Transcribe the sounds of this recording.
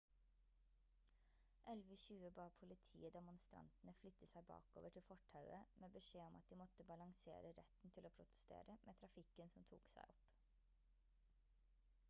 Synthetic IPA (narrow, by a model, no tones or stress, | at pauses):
ʔɛlʋəçʉːəbɑːpʰʊlɪt̪ʰḭːəd̪ɛmʊnst̪ɾɑ̰nt̪n̩əflʏt̪əsæɪbɑ̰ːko̰ːʋəʈʰɪlfɔʈʰɑʉəmeːbəʂeːɔmʔɑt̪̚d̪iːmɔt̪əbɑlɑŋsḛːɾəɾɛt̪n̩t̪ʰɪloːpʰɾʊt̪ə̥st̪ḛːɾʔəmʔeːt̪ʰɾɑfɪkənsɔmt̪ʰṵːksæ̰ɪʔɔp